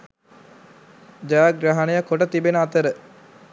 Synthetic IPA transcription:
d͡ʒajaɡɾaɦanəjəkoʈət̪ibenəat̪əɾə

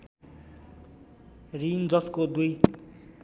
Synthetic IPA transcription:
rind͡zʌskod̪uj

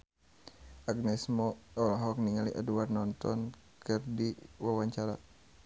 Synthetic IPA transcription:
ʔaɡnɛsmɔɔlɦɔk̚niŋaliʔa̰duarnɔnt̪ɔn | kɨrdiwawaɲt͡ʃaɾa̰

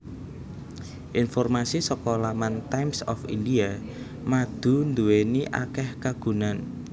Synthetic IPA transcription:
ʔinfɔrmasisɔkɔlamant̪ajmsɔfindia | mad̪̥ṳnd̪uweniʔa̰kɛhkaɡ̥ṳnan

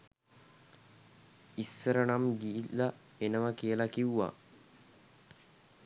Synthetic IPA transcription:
isːəɾənamɡiːlːa | enəʋəkiəlakiuʋa̰

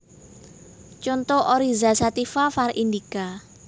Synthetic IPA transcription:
t͡ʃont̪oʔoɾizasat̪ifafarind̪ika

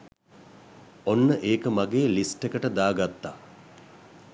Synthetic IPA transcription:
onːəʔeːkəmaɡeːlisʈekəʈəd̪aːɡat̪ːa

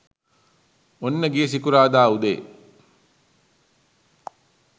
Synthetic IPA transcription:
onːəɡijəs̬ikuɾaːd̪aːud̪ḛː

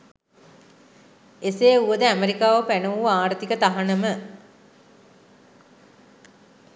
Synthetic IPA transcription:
eseːuʋəd̪əæmeɾikaːʋəpænəʋuaːɾət̪ikət̪aɦanəmə

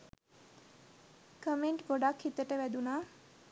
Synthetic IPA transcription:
kəmeɳʈɡoɖakhit̪əʈəʋæd̪unaː

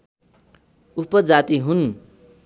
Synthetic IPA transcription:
upʌd͡zat̪iɦun

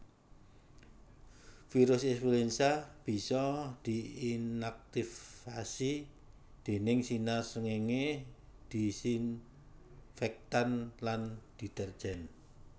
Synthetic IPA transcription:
fiɾʊsɛsfulensab̥i̤sɔd̪̥i̤inak̚t̪ifasi | d̪̥e̤nɪŋsinasəŋeŋe | d̪̥i̤sin | fɛk̚t̪anland̪̥i̤t̪ərdd͡ʒ̥ɛn

